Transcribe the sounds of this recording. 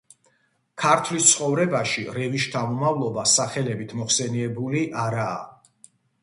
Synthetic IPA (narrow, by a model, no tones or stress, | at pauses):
kʰaɾt̪ʰlist̪sʰχɔvɾɛbaʃiɾɛviʃt̪ʰamɔmavlˠɔbasaχɛlɛbit̪ʰmɔχsɛniɛbuliʔaɾaː